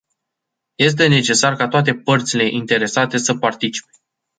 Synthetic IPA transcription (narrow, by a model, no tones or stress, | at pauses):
je̞s̬t̪e̞ne̞t͡ʃe̞sarkat̪oat̪̬e̞pərt̪sile̞ʔint̪e̞ɾe̞sat̪e̞səpart̪it͡ʃi̥pe̞